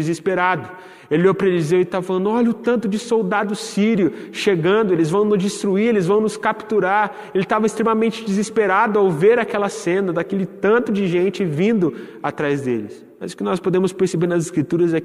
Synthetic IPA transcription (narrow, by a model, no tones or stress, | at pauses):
izispeɾad̪ʊ | elɪowpɾelzewɪt̪avɐfalɐ̃nd̪ʊɔʎɐʊt̪ɐ̃nt̪ʊd͡ʒɪsowd̪ad̪ʊsiɾjʊʃeɡɐ̃nd̪ʊelɪzvɐ̃w̃nʊzd͡ʒist̪ɾuiɾelɪzvɐ̃w̃nʊskapt̪uɾaɾ | elɪt̪avɐɪst̪ɾẽmɐmẽnt͡ʃɪd͡ʒizispeɾad̪ʊawveɾakɛlɐsẽnɐd̪akelɪt̪ɐ̃nt̪ʊd͡ʒɪʒẽnt͡ʃɪvĩnd̪ʊat̪ɾajzd̪elɪs | mɐzʊ̥kɪnɔspod̪ẽmʊspeɾsebeɾnɐzɪskɾit̪uɾɐzɛ